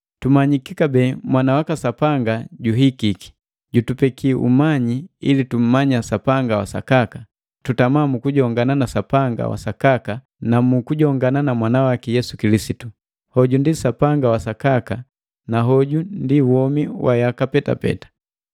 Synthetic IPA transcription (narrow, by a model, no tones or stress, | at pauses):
tumaɲikikabɛːmwanawakasapaŋɡaɟuɦikiki̥ | ɟutupɛkiʔṵmaɲiilitum̩maɲasapaŋɡawasa̰kaka | tutamamukuɟɔŋɡananasapaŋɡa̰wa̰sakaka | namukuɟɔŋɡananamwanawakɛjɛsukilisitu | hɔɟundisapaŋɡawasakaka | naɦɔɟundiwɔmiwʔajakapɛta̰pɛ̰tḁ